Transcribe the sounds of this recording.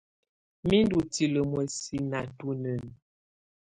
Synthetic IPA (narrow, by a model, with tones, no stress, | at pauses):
mi˦n˦du˨ti˨lə˨mwɛ˨si˨na˨tu˦nə˨n